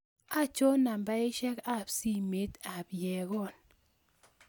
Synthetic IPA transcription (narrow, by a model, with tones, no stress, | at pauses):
a˦t͡ʃo˦na˨mba˦ɪ˦ʃɛ˦ka˦˨psi˦me˦ta˨bjɛ˨ɡɔ˦˨n